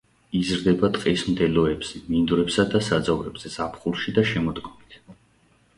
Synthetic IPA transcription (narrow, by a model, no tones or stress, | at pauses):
izɾd̪ɛbat̪ʼqʼismd̪ɛlɔɛbz̥ɛmind̪uɾɛpsad̪asad̪zavɾɛbz̥ɛz̥apʰχulˠʃid̪aʃɛmɔd̪ɡɔmit̪ʰ